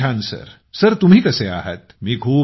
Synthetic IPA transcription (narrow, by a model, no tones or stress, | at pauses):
aːnsɐ̰ɾ | sɐɾt̪ʊmɦikɐsea̰ːɦə̰t̪mikʰuː